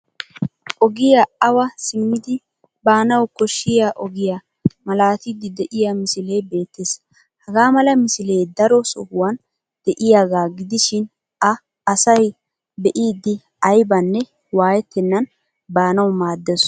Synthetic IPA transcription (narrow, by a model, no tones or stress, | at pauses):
ʔɔɡɪjaɐwɐsɪmːɪd̪ɪ | baːnɐwkɔʃːɪjaʔɔɡɪja | mɐlaːt̪ɪd̪ɪd̪ɛʔɪjamɪsɪlejbe̞ːt̪ːeːs | hɐɡaːmɐlɐmɪsɪlejd̪ɐɾɔsɔ̰hʊwɐn | d̪̥ɛʔɪjaːɡaːɡɪd̪ɪʃɪn | ɐ | ɐsɐj | bɛʔiːd̪ːɪ | ɐjbɐnːɛ | waːjɛt̪ːɛnːɐn | baːnɐwmaːd̪ːɛs